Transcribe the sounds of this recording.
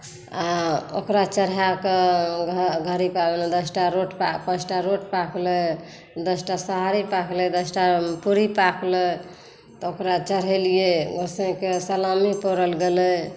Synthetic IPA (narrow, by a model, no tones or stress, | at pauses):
ao̰kɾat͡ʃəɾɦakeɡʱɡʱəɾipabened̪əsʈaɾoʈpapə̃sʈaɾoʈpakʰlɛ | d̪əsʈasəɦaɾipakʰlɛd̪əsʈapuɾipakʰlɛ | t̪ɔokɾat͡ʃəɾɦelijeɡosẽkesəlamipɔɾəlɡelɛ